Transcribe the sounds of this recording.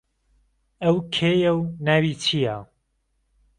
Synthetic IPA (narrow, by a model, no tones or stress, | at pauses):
ɐwkʰeːjɐwnaːwiːt͡ʃʰija